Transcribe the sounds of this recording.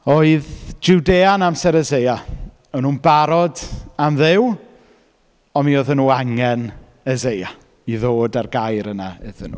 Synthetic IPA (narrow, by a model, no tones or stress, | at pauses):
oɨðd͡ʒudeːanamsɛɾəzeja | ɔnuːnbaɾɔdamðɪw | ɔmioðənuːaŋɛn | əzeja | iðoːdarɡajɾənaəðənṵː